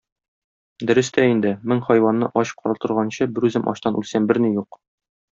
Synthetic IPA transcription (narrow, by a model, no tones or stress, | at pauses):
d̪ɵ̆ɾɘ̆st̪æind̪ɘmɘŋχɒjwɑnːɤʔɒɕqʰɒɾɑt̪ɤ̆ɾʁɑnɕɤbɘ̆ɾʉzɘmʔɒ̰ɕt̪ɑnʔʉlsæmbɘɾnijuq